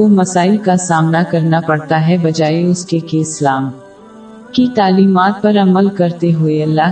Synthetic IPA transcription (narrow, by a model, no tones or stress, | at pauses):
omɐsaːɪlkasaːmnakɐɾnapɐɽt̪aɦɛbɐd͡ʒaːeʊskekeːslaːm | kit̪aːliːmaːt̪̚pɐɾɐməlkɐɾt̪eɦʊeɐlːaː